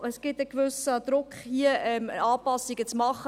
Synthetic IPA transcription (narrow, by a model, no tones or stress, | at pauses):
əsɡ̥ɪt̪əkvʏsəd̪ɾʊkχhiəʔɛmɑːpɑsiɡət͡smɑχə